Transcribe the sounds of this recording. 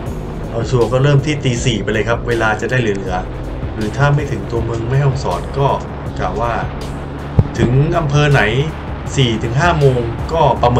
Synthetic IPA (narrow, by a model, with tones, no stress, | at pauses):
ʔɔː˨˩sʰu˧˩ɐkɔː˥˩ɾɤː˥˩mt̪ʰiː˥˩t̪iː˧siː˨˩pa˧lɤː˧jkʰa˦˥p̚weː˧laː˧t͡ɕa˨˩ʔdaː˥˩jlɯ˩˦lɯ˩˦ɐ | ɾɯː˩˦t̪ʰaː˥˩ma˥˩jt̪ʰɯ˩˦ŋt̪u˧ɐmɯ˧ŋma˥˩jɔ˧˥˩ŋsɔ̰ː˩˦˥t̪̚kɔː˥˩ | klaː˨˩wːaː˥˩ | t̪ʰɯ˩˦ŋʔa˧mpʰɤː˧na˩˦j | siː˨˩t̪ʰɯ˩˦ŋɦaː˥˩moː˧ŋkɔː˥˩pɾa˧mɤː˧